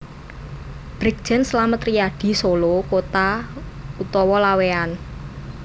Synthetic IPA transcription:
b̥ɾik̚d̥ʒ̥ɛ̤nslamət̪rijaɖ̪̥i̤solokot̪a | ut̪ɔwɔlawean

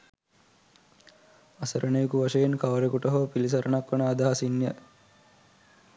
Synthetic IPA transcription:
ɐsɐɾʔənejukuʋaʃejenkɐʋɾekuʈəɦopilis̬ɐɾənakʋɐnaːd̪aːɦasinːjə

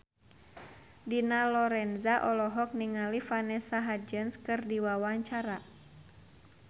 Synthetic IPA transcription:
dinalɔɾɛnzaʔɔlɔɦɔk̚niŋalifanɛsaɦad͡ʒənskɨrdiwawaɲt͡ʃaɾa

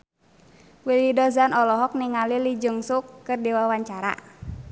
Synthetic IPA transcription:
wilidɔzanɔlɔɦɔk̚niŋalilid͡ʒəŋsukːɨrdiwawaɲt͡ʃaɾa̰

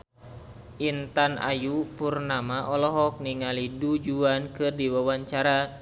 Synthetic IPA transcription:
ʔint̪ana̰jupurnamaʔɔlɔɦɔk̚niŋalidud͡ʒuankɨrdiwawaɲt͡ʃaɾa

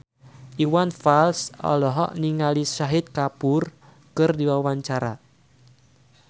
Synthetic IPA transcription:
ʔiwanfalsɔ̰lɔɦɔ̰ʔniŋalisaɦɪt̪̚kapʊr | kɨrdiwawaɲt͡ʃaɾa̰

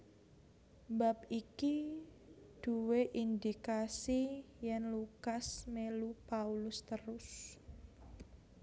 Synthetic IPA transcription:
bap̚iki | d̪̥uweʔind̪ikasijɛnlukasmelupaulʊst̪əɾʊs

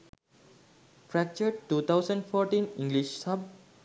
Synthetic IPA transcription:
fɾæk̚t͡ʃəɾɖʈːuːt̪ʰaʊsə̃ɳɖfʰɔːɾʈĩnĩŋɡliʃsʌb̚

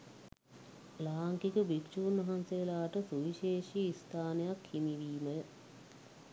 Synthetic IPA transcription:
laːŋkikəbikt͡ʃuːnʋɐɦansejəlaːʈəsuʋiʃeːʃiist̪ʰaːnəjakhimiʋiːmə

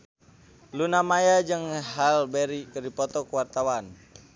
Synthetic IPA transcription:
lunamajad͡ʒəŋɦalbɛɾikərdipɔt̪ɔkuwart̪awan

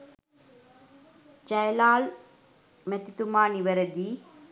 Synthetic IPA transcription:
d͡ʒajəlaːl | mæt̪it̪umaːniʋəɾəd̪iː

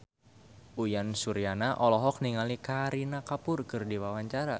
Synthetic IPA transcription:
ʔujansuɾianaʔɔlɔɦɔk̚niŋalikaɾinakapʊrkɨrdiwawaɲt͡ʃaɾa

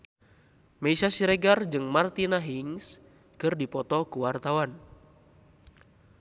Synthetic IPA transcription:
meisasiɾɛɡard͡ʒɨŋmart̪inaɦiŋs | kɨrdipɔt̪ɔkuwart̪awan

